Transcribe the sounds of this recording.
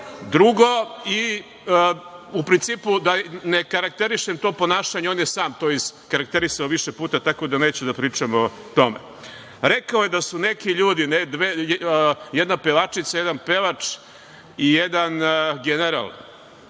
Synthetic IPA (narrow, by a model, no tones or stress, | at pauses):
d̪ɾuɡo̞i | upɾint̪siːpud̪anekaɾak̚t̪eɾiʃemt̪o̞ːpo̞naːʃaɲeo̞njesaːmt̪ojiskaɾak̚t̪eɾisaoʋiʃepuːt̪at̪ako̞d̪ane̞ːt͡ɕɛd̪apɾiːt͡ʂamo | t̪o̞mḛ | ɾe̞kaojed̪asune̞kiʎuːd̪ined̪ʋe | jed̪napeʋat͡ʂit̪sajed̪anpe̞ʋat͡ʂ | ijed̪anɡeneɾa̰lˠ